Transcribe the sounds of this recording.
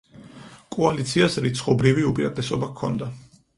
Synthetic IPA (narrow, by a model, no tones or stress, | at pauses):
kʼɔalit̪sʰiasɾit̪sʰχɔbɾiviupʼiɾat̪ʼɛsɔbakʰːɔ̰nd̪a